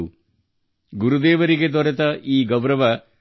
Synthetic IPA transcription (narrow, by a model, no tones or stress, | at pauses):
u | ɡuɾud̪eːʋɐɾiɡed̪ɔɾɐt̪ɐʔiːɡɐwɾɐʋɐ